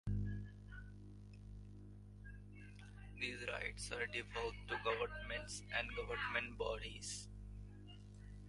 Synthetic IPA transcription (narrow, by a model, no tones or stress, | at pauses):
d̪iːzɾa̰ɪʈsaːɾɖɪʋəlʈuɡʌʋəɾnmɛ̃ɳʈsɛ̃ɳɡʌʋəɾnmɛ̃ɳʈbɔːɖiz̥